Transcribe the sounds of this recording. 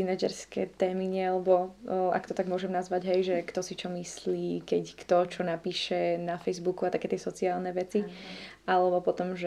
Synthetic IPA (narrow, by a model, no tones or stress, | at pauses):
inad͡ʒɛ̰ɾskɛ̰ːt̪ɛːmiɲɪɛalɛbɔa̰kt̪ɔt̪aɡmʊɔʒɛmnazʋaɟɦɛjʒɛkt̪ɔsit͡ʃɔmisliːkɛckt̪ɔt͡ʃɔnapiːʃɛnafɛjzbukuat̪akɛːt̪ɪɛsɔt͡siaːlnɛʋɛt͡siʔalɛbɔpɔt̪ɔmʒ